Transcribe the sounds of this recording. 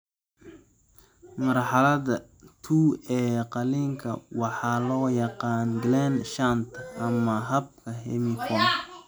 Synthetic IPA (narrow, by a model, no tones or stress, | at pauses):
mɐrħɑlɐðɐ | t̪ʰuːɛːqɑliːŋkʰɐ̰wɑħɑːlɔːjɑqɑːnɡlɛnʃant̪ʰʔɐmɐɦɐb̚kʰɐɦɛ̰mɪkʰɔn